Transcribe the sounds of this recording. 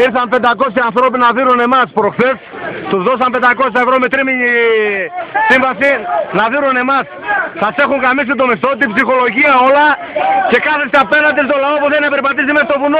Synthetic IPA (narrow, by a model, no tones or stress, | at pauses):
iɾθɐmpe̞nd̪ɐko̞sçiɐnθɾo̞p̬inɐðiɾune̞mɐspɾoxθes | t̪uzðo̞s̬ɐmpend̪ɐko̞sçɐevɾo̞mit̪ɾimiɲi | siɱvɐsinɐðiɾune̞mɐs | sɐse̞xuŋɡɐmis̬id̪o̞mist̪o̞t̪ibsixo̞lo̞ʝiɐo̞lɐ | ce̞kɐθest̪eɐpe̞nɐnd̪is̬t̪o̞lɐopuθenɐpeɾipɐt̪̬isimest̪ovuno